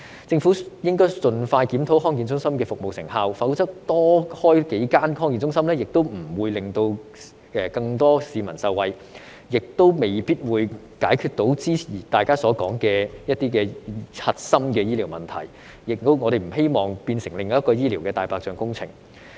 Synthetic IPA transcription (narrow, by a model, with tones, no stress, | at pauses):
t͡sɪ˧ŋfu˨˥jɪ˥ŋkɔː˥jt͡sɵ˧nfaː˧jkiː˨˥mt̪ʰo˨˥wɦɔː˥ŋkiː˨nt͡sʊ˥ŋsɐ˥mkɛː˧fʊ˨k̚mo˨wsɪ˨˩ŋhaː˧wfɐ˨˥wt͡sɐ˥k̚t̪ɔː˥hɔː˥jke˨˥jkaː˥nɦɔː˥ŋkiː˨nt͡sʊ˥ŋsɐ˥mlɛː˥jɪ˨k̚t̪o˥wm̩˨˩wuː˨˧jlɪ˨˧ŋt̪o˧w | ɛː˨˧kɐ˧ŋt̪ɔː˥siː˨˧mɐ˨˩nsɐ˧wwɐ˨j | jɪ˨k̚t̪o˥wme˨˩jpiː˥t̚wuː˨˧j | kaː˨˥jkʰyː˨˧t̚t̪o˨˥wt͡siː˥iː˨˩t̪aː˨jkaː˥sɔː˨˧˥kɔː˨˥ŋkɛː˧jɐ˥t̚t̪iː˥kɛː˧hɐ˨t̚sɐ˥mkɛː˧jiː˥li˨˩wmɐ̰˨˩nt̪ʰɐ̰˨˩j | jɪ˨k̚t̪o˥wŋɔː˨˧ɾe˨˩m̩˨˩ɦe˥jmɔː˨ŋpiː˧nsɪ˨˩ŋlɪ˨ŋːɔː˨jɐ˥tkɔː˧jiː˥liː˨˩wkɛː˧t̪aː˨˧jpaː˧k̚t͡ʃœː˧ŋkʊ˥ŋt͡sʰɪ˨˩ŋ